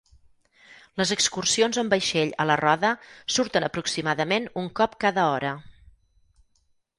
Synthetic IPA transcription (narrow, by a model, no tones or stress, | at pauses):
ləzəkskursionzəmbəjʃeʎə̰lərɔðəsuɾt̪ənəpɾuksimaðəmenuŋkɔpkaðəɔɾə